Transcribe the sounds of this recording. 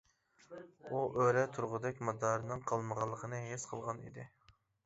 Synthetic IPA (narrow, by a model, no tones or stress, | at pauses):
uʔøɾɛt̪ʰuɾʁʊd̪ɛk̚ʲmɑd̪ɑɾɨnɨŋqʰəlˠməʁɑlˠːəqʰənɨsqʰəlˠʁɑnḭd̪ɪ